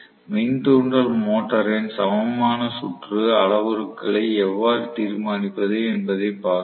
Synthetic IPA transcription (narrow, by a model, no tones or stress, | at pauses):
mint̪uːɳɖɐlmoːʈːɐɾɪnsɐmɐmaːnɐsʊʈrɯɐɭɐʋɯɾɯkːɐɭɐɪɛʋːaːɾɯt̪iːɾmaːnɪpːɐðɯɛnbɐðɐɪpaːɾ